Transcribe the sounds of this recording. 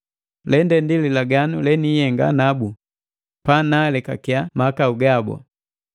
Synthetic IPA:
lɛndɛndililaɡanulɛnijɛŋɡa̰nabu | panalɛka̰kiamakauɡabɔ̰

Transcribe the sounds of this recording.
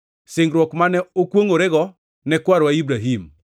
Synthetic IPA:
sɪŋɡɾwɔkmanɛokwoŋoɾɛɡɔ | nɛkwaɾwaibɾaɦim

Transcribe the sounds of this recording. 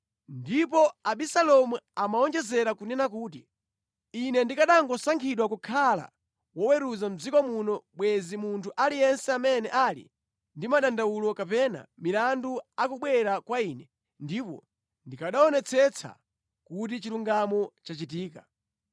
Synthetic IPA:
ndip̬ɔaɓisalɔmuamaɔnd͡ʒɛzɛɾakunɛnak̬uːt̬i | inɛndikaɗaŋɡɔsaŋkʰiɗwakukʰala̰ | wɔwɛɾuzam̩d͡zikɔmunɔɓwɛzimuntʰuʔalijɛnsɛamɛnɛʔaːlḭ | ndimaɗandawulɔkapɛna̰milanduakuɓwɛɾakwaiːnɛ | ndipɔ̰ | ndikaɗaɔnɛt͡sʰɛt͡sʰa̰ | kut̬it͡ʃiluŋɡamɔt͡ʃat͡ʃit̬iːka̰

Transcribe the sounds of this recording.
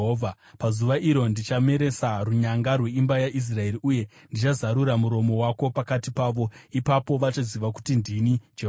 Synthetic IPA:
ɦoːvʱa | pazuʋaʔiɾo̞ndit͡ʃame̞ɾe̞saruɲaŋɡarwe̞imbajaʔis̬rae̞riuje̞ | ndit͡ʃazaɾuɾamuɾo̞mo̞wako̞pakatipaːʋo̞ipapo̞ʋat͡ʃaziʋaku̥tindinid͡ʒeɦ

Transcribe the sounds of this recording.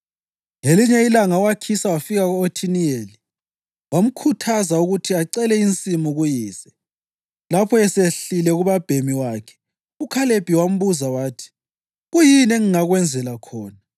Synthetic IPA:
ŋeliɲɛilaŋawakʰisawafiɣaɣuotʰinijeli | wam̩kʰutʰazauɣutʰiaǀɛlɛint͡sʼimuɣujiːsɛ | lapʰɔɛseɬilɛɣuβab̥ʱemiwaːkʰɛ̥ | ukʰaleb̥ʱiwam̩βuzawaːtʰi̥ | ɣujinɛŋiŋaɣwɛnd͡zʱɛlakʰɔːna

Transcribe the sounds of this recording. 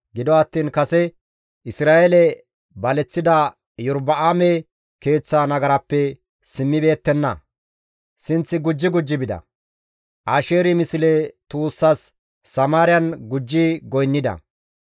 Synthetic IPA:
ɡɪd̪ɔɐt̪ːiːnkɐsɛ | ʔɪsɾaːʔelɛ | bɐlɛt͡sːɪd̪ɐ | jɔɾbɐʔaːmɛ | ke̞ːt͡sːaːnɐɡɐɾɐpːɛ | sɪmːɪbe̞ːt̪ːɛnːɐ̰ | sɪnt͡sːɪɡʊd͡ʒːɪɡʊd͡ʒːɪbɪd̪ɐ̰ | ʔaːʃe̞ːɾɪmɪsɪlɛt̪uːsːɐsː | ɐmaːɾɪjɐnɡʊd͡ʒːɪɡɔjnːɪd̪ɐ̰

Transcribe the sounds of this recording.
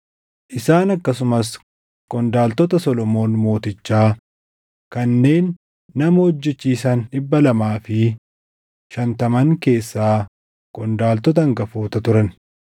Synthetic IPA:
ʔɪsaːnɐkːɐsʊmɐs | kʼɔnd̪aːlt̪ɔt̪ɐsɔlɔmo̞ːnmo̞ːt̪ɪt͡ʃːaː | kɐnːe̞ːnː | ɐmɐhɔd͡ʒːɛt͡ʃːiːsɐnᶑɪbːɐlɐmaːfɪ | ʃɐnt̪ɐmɐŋke̞ːsːaː | kʼɔnd̪aːlt̪ɔt̪̬ɐŋɡɐfoːt̪ɐt̪ʊɾɐn

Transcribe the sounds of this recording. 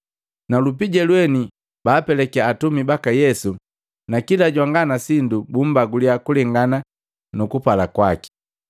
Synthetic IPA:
nalupiɟɛlwɛni | baːpɛlɛkɛaːtumibakajɛsu | nakilaɟwaŋɡanasindubum̩baɡuliakulɛŋɡana | nukupalakwaki̥

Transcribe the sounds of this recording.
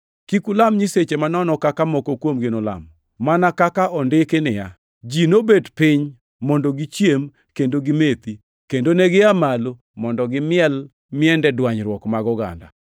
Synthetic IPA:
kikulamɲiset͡ʃemanɔnɔkakamɔkokwomɡɪnola̰m | manakakaʔɔndɪkɪnɪja̰ | d͡ʒinobedpɪɲ | mɔndɔɡit͡ʃjem | kendoɡɪmet̪i | kendonɛɡɪamalo | mɔndɔɡɪmɪɛl | mɪɛndɛdwaɲɾwɔkmaɡɔɡa̰nda̰

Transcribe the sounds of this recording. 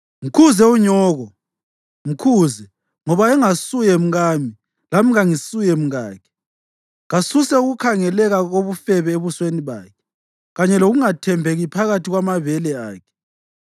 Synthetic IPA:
m̩kʰuzɛuɲɔːɣɔ | m̩kʰuːzɛ | ŋɔβaɛŋasujɛm̩ɣaːmi | lamiɣaŋisujɛm̩ɣa̰ːkʰɛ̥ | ɣasusɛuɣukʰaŋɛlɛɣaɣoβufɛβɛeβusweniβa̰ːkʰɛ̥ | ɣaɲɛloɣuŋatʰɛmbʱeɣipʰaɣatʰiɣwamavɛlɛa̰ːkʰɛ̥

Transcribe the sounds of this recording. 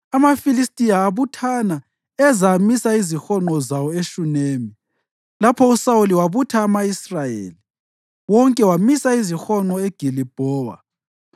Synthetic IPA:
amafilistʼijaːβutʰana | ɛzamisaizixɔŋ͡ǃɔzawɔeʃuneːmi | lapʰɔusauliwaβutʰaːmaisrajḛːli | wɔŋkʼɛwamisaizixɔŋ͡ǃɔeɡ̥ʱilib̥ʱɔːwa̰

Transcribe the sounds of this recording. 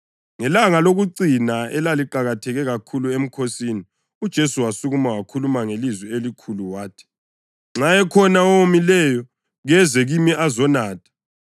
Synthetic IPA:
ŋɛlaŋaloɣuǀinaɛlaliǃaɣatʰɛɣɛɣakʰuluem̩kʰosini | ud̥ʒ̥ʱesuwasuɣumawakʰulumaŋelizwɛelikʰuluwaːtʰɛ̥ | ŋ͡ǁaɛkʰɔnaɔmilɛjɔ | ɣɛzɛɣimiʔazɔnaːtʰḁ

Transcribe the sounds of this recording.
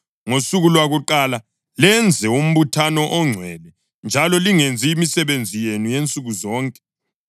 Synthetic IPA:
ŋosuɣulwaɣuǃala | lɛnd͡zʱɛum̩βutʰanɔʔɔŋ͡ǀʱwɛlɛ | nd͡ʒʱalɔliŋend͡zʱiːmisɛβend͡zʱijenujent͡sʼuɣuzɔːŋkʼɛ̥

